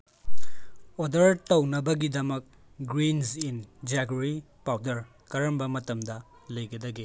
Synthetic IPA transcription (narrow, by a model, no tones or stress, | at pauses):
odɐɾtɐwnɐbɐɡidɐmɐk̚ | ɡɾinsind͡ʒaɡɾi | pawdɐɾ | kɐɾɐmbɐmɐtɐmdɐ | lɐjɡɐdɐɡi